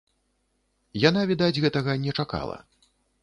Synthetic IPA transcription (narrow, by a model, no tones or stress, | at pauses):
janavʲid̪ad͡zʲɣɛt̪ɐɣɐnʲɛt͡ʂaka̰lˠɐ̰